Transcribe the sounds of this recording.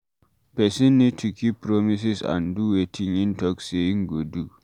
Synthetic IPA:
pɛsinːitʰukʰipːɾɔmis̬isã̰nduwetʰiŋintɔkseiŋɡodu

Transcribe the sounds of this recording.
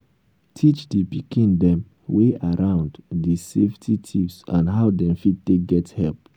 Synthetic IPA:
tʰit͡ʃdepikĩndɛ̃m | weʔaɹãʊ̃nddiseftʰitʰivsã̰nɦaʊdɛ̃mfid̚teɡɛthɛlp̚

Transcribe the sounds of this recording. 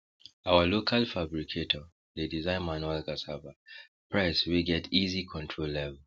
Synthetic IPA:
awəlokʰalfabɹikʰetʰɔ | ledizãɪ̃nmanuɛlɡasaba | pʰɹaɪswiɡɛtizikʰɔ̃ntʰɹolːɛvɛl

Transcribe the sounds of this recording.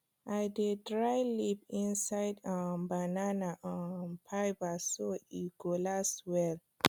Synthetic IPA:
ʔajdedɹajlipĩnsajdãbananaʔãnpʰajbasoiɡ̥olaswɛl

